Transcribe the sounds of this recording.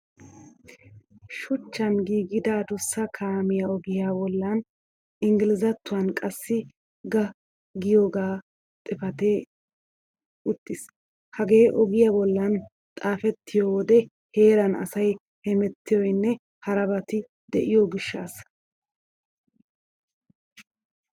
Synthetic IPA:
ʃʊt͡ʃːɐnɡiːɡɪd̪aːd̪ʊsːɐkʰaːmɪjɐɔɡɪjaːbɔlːɐn | ɪŋɡɪlɪzɐt̪ːʊwankʼɐsːɪ | ɡɐ | ɡɪjoːɡaː | t̪ʼɪfɐt̪eː | ʊt̪ːɪs | hɐɡe̞ːʔɔɡɪjabɔlːɐn | t̪ʼaːfɛt̪ːɪjoːwɔd̪ɛ | he̞ːɾɐnɐ̰sɐj | hɛmɛt̪ːɪjɔjnːɛ | hɐɾɐbɐt̪ɪ | d̪ɛʔɪjoːɡɪʃːa̰ːs

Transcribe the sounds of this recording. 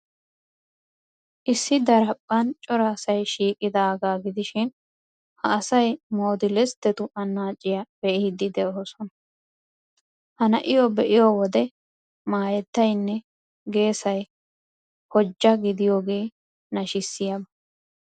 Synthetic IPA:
ʔɪsːɪd̪ɐɾɐpʼːɐnt͡ʃʼɔɾɐːsɐjʃiːkʼɪd̪aːɡaːɡɪd̪ɪʃɪn | hɐːsɐjmo̞ːd̪ɪlɛst̪ːɛt̪ʊʔɐnːaːt͡ʃʼːɪjɐb̥ɛʔɛhɪd̪ɪd̪ɛosɔnɐ | hɐnɐ̰ʔɪjɔbɛʔɪjowɔd̪ɛ | maːjɛt̪ːɐjnːɛ | ɡe̞ːsɐj | hɔd͡ʒːɐɡɪd̪ɪjo̞ːɡe̞ː | nɐʃɪsːɪjɐbɐ

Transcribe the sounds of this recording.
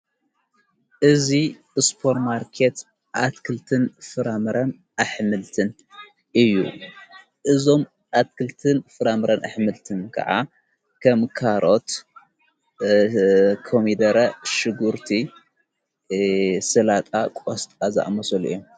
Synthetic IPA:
ʔɨzi | ɨspʰoɾmaɾkʰet̪ | ʔat̪kʰɨlt̪ʰɨnfɨɾamɨɾʔɐn | ʔaħmɨlt̪ʰɨn | ʔɨjːṵ | ʔɨzo̞m | ʔat̪kɨlt̪ʰɨnfɨɾamɨɾɐnaħmɨlt̪ʰɨnkʰɐ̰ʕa̰ | kʰɐmkʰaɾʔo̞t̪ | kʰomid̪ɐɾɐʃɨɡuɾt̪ʰi | sɨlat̪ʼakʼost̪ʼaza̰ʔmɐsɐlʔɨ̰jːom

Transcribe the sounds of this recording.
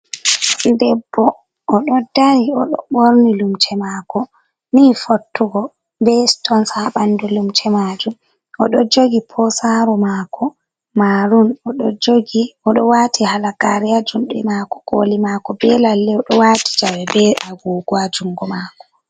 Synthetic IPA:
ndɛbːɔ | ʔːɗɔdajiɔɗɔ̰ɓoɾnilumt͡ʃʰɛmaːkɔ | niːfotːuɡɔ | bɛstɔnsaɓandulumt͡ʃɛmad͡ʒum | ʔɔɗɔd͡ʒoɡipʰɔsaɾɔmaːkʰɔ | maɾunɔɗɔd͡ʒoɡiɔɗɔwatʰihalakaɾiad͡ʒumɗɛmaːkɔ̥ɡolimakɔbɛlalːɛɔɗɔwaːti̥d͡ʒawɛbɛʔaɡuːɡwad͡ʒuŋɡɔmaːkɔ̥

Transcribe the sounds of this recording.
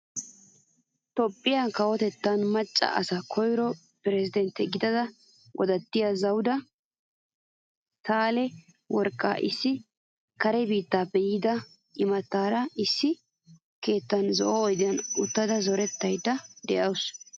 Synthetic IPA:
t̪ɔpʼːɪjakɐwɔt̪ɛt̪ːɐnmɐt͡ʃʼːɐ̰ʔɐ̰sɐkʰɔjɾɔ | pɪɾɛzɪd̪ɛnt̪ːɛɡɪd̪ɐd̪ɐ | wʔɔ̰d̪ɐt̪ːɪjazɐwd̪ɐ | t̪aːlɛ | wɔɾkʼːa̰ːʔɪsːɪ | kɐɾɛbiːt̪ːaːbɛjɪd̪ɐ | ɪmɐt̪ːaːɾɐɪsːɪ | ke̞ːt̪ːɐnzɔʔɔɔjd̪ɪjɐnʊt̪ːɐd̪ɐzɔɾɛt̪ːɐjd̪ɐd̪ɛʔɐws

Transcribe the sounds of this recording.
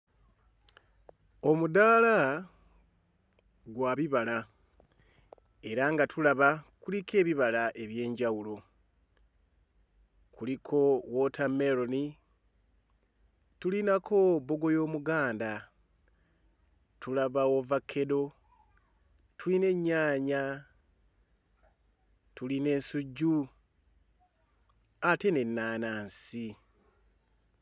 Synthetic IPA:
o̞mudala | ɡwaːβiβala | e̞ɾaŋɡatʰulaβakulike̞ːβiβalaʔe̞βje̞ːɲɟawulo̞ | kulikʰo̞wotʰameɾoni | tulinakʰo̞bo̞ɡo̞jo̞ːmuɡaːnda | tulaβawovakʰːe̞do̞ | tʰuline̞ɲːaːɲa | tuline̞ːnsuɟːu | ate̞ne̞nːaːnaːnsi

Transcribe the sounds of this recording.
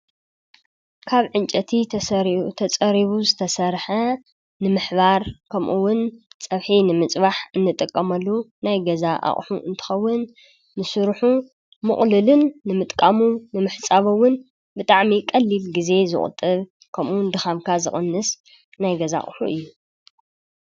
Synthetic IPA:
kʰaβʕɨnt͡ʃʼɐt̪ʰi | t̪ʰɐt͡sʼɐɾiβuzɨt̪ʰɐsɐɾħɐ | nɨmɨħbaɾkʰɐmʔuwʊnt͡sʼɐβħinɨmɨt͡sʼbaħɨnːɨt̪ʼɨkʼːɐmɐlːunajɡɐzaʔa̰χʼħuʔɨnt̪ʰɨ̥xɐwːʊnː | ɨsɨɾħu | mɨχʼlɨlɨnːɨmɨt̪ʼkʼamunɨmɨħt͡sʼaβɐwːʊn | bɨt̪ʼaʕmikʼɐlːilɡize̞zɨ̰χʼɨ̰t̪ʼːɨβ | kʰɐmʔuwnd̪ɨxamkʰazɨχʼɐnːɨs | najɡɐza̰χʼħṵʔɨ̰jːu

